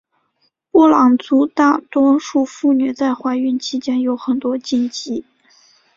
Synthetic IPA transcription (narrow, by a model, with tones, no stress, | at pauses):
pwɔ˥˩lɑ˨˩ŋt͡su˧˥t̪a˥˩t̪wɔ˥ʂu˥˧fu˥˩ny˨˩t͡sa˥˩ɪxwa˧˥ɪy˥˩nt͡ɕʰi˥t͡ɕjɛ˥njo˧˥ʊxə˨˩nt̪wɔ˥t͡ɕi˥nt͡ɕi˥